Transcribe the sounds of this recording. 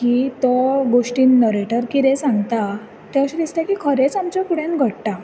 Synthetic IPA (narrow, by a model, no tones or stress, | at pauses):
kiːt̪ɔɡoɕʈiːnːəɾeʈəɾkiɾɛsãŋɡt̪a | t̪aəɕid̪ist̪akiːkʰəɾet͡samt͡ɕakuɽɛ̃nɡʱəɽʈa